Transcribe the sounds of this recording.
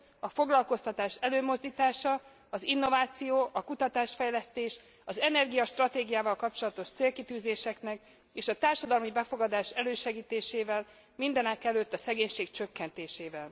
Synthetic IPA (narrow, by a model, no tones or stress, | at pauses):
ɒfo̞ɡlɒlko̞st̪ɒt̪aːʃɛløːmo̞zd̪iːt̪aːʃɒ | ɒzinːo̞vaːt̪sijoːʔɒkut̪ɒt̪aːʃfɛjlɛst̪eːʃ | ɒzɛnɛrɡijɒʃt̪rɒt̪eːɡijaːvɒlkɒpt͡ʃo̞lɒt̪o̞ʃt̪seːlkit̪yːzeːʃɛknɛk | eːʃɒt̪aːrʃɒd̪ɒlmibɛfo̞ɡɒd̪aːʃɛløːʃɛɡiːt̪eːʃeːvɛl | mind̪ɛnɛkɛløt̪ːɒsɛɡeːɲʃeːkt͡ʃø̞kːɛnt̪eːʃeːvɛl